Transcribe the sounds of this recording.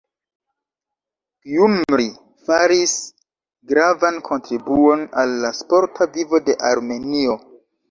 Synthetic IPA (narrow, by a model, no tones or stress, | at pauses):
jumɾi | faɾis | ɡɾavankʰo̞ntɾibuo̞nalːaspo̞ɾtʰavivo̞de̞ʔaɾme̞nio̞